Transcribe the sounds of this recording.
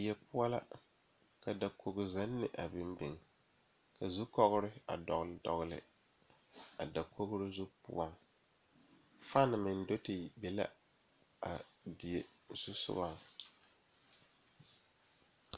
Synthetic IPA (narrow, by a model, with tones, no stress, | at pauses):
i˨jɛ˨pʊ˦a˦la̰˦ | ka˨da˨ko˨ɡʊ˨za˦nːɪ˨ʔa˨bɪ˦mbɪ˨ŋ | ka˨zu˦kɔ˦ɣʊ˦ɾɪ˦a̰˨dɔ˨ɣldɔ̰˨ɣlɪ̰˨ | a˨da˨kʰo˦ɡʊ˦ɾʊ˦zu˦pʊ̰˦a˦ | faː˦nɪ˨mɪ˨n˦do˦ti˨bɛ˨la̰˦ | a˨di˨je˨z̥u˦sʊ̰˦wa˦˨